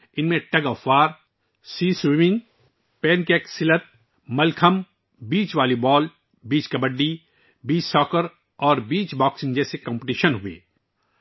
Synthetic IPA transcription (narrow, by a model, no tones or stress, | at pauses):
ɪnmẽʈɐɡɔːfaːɾ | siːswɪmɪ̃ŋɡ | pɛːnkɛːksɪlət̪̚ | mɐlkʰəm | biːt͡ʃʋaːlibɔːl | biːt͡ʃkɐbəɖːi | biːt͡ʃsɔːkəɾ | ɔːɾbiːt͡ʃbɔːksɪ̃ŋd͡ʒɛːsekɐ̃mpʈiːʃənɦʊḛː